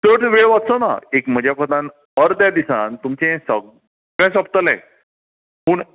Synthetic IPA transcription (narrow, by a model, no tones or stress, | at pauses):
t̪əʈʋeɭʋat̪sona̰ekm̤əd͡ʑjakɔt̪ãn | əɾd̪jad̪isã̰nt̪umt͡ɕẽsəɡ | ɡasəpt̪əlɛ̰̃ | puːɳ